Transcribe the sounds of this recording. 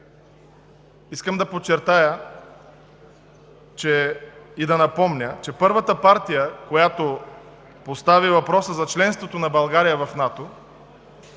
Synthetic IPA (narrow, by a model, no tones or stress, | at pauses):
iskəmd̪ɐpot͡ʃːɛɾt̪ajə | t͡ʃɛid̪ɐnɐpɔmnʲət͡ʃɛpɤɾvət̪əpaɾt̪ijəkojat̪o | post̪avivɐpɾɔsəzɐt͡ʃlɛnst̪vot̪onɐbɐlˠɡaɾijəvɐfnat̪o